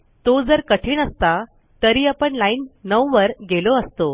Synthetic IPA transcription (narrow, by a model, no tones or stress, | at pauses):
t̪od͡zəɾkəʈʰiːɳəst̪a | t̪əɾiːapəɳlainːəʋʋəɾɡeloəst̪o